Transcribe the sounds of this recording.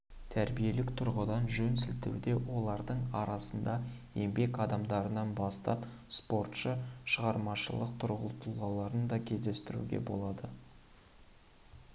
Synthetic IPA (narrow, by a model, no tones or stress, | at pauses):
t̪ʰæɾbije̞lɪkt̪ʰʊɾʁəd̪ɑnʒɵnsɪlt̪ḛwd̪e̞wo̞lˠɑɾd̪əɴɑɾɑsənd̪ɑ | e̞mbe̞kɑd̪ɑmd̪ɑɾənɑnbɑst̪ɑ̰p | spo̞rt̪ʃəʃəʁɑɾmɑʃəlˠəq̚t̪ʰʊɾʁə̰lˠt̪ʰulˠʁɑlˠɑɾənd̪ɑkʲʰe̞zd̪e̞st̪ɪɾṵɡʲḛbo̞̰lˠɑd̪ə